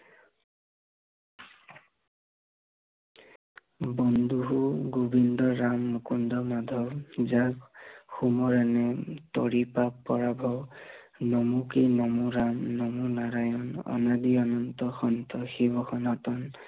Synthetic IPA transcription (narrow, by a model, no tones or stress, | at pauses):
bɔnd̪uɦuɡubind̪ɔɾamːukund̪ɔmad̪ʱɔbd͡ʒakxumɔɾanet̪ɔ̰ɹipapːɔɹabʱɔw | nɔmukinɔmuɾamnɔmunaɾajɔnɔ̰nad̪iɔnɔnt̪ɔxɔnt̪ɔxibɔxɔnɔtɔn